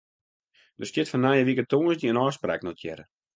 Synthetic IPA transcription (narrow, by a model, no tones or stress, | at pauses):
dəstjɪtfɔnːajəʋikətoːəsdiənɔːspra̰ːknɔtʰjɛ̰ɾə